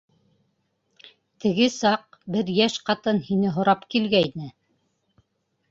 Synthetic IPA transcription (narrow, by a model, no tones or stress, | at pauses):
t̪ɘ̆ɡɘsɑq̚bɘɾjæʃqɑt̪ɤnhinɘɦŏɾɑpkilɡæjnɘ